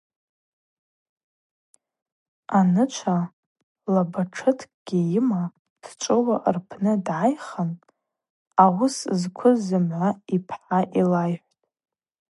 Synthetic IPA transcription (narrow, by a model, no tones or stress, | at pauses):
t | anɨt͡ʃʷʰa | labaʈ͡ʂʰɨtʰkʼɡ̥ʲijɪma | d̥t͡ʃʷʼɨwaʔrpʰnɨdʕajχan | awʊszkʷʰʊzɨmʕʷaipʰħaʔilajħʷtʼ